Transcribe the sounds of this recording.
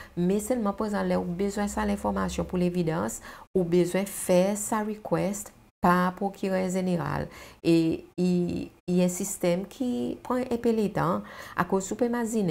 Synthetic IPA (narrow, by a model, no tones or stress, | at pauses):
mɛsɛlmɑ̃paʁezɑ̃lɛubøzwɛ̃salɛ̃fɔʁmasjɔ̃pulevidɑ̃subøzwɛ̃fɛsaʁikwɛst | papʁokʰyʁœʁʒeneʁa̰leiː | ɛ̃sist̪ɛmkʰipʁɑ̃ʔɛ̃pelet̪ɑ̃a̰kozsupemazin